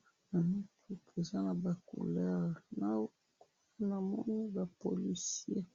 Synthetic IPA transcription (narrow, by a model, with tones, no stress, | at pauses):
na˨nu˦ki˦pe˨za˦na˨ba˨kṵ˨lɛ˦ʁna˦wo˦ | k | a˦na˨mɔ˦ni˦ba˨po̰˨li˨sje˦